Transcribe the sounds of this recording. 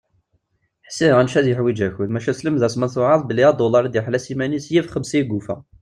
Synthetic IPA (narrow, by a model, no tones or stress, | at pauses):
ħə̥sːiʁænʃæðjəħwid͡ʒæçənmæʃæsləmðæsmənθʊʕɑðˤbəliæd̪olɑɾd̪jəħlæsimænisjifχəmsiɡufæ̰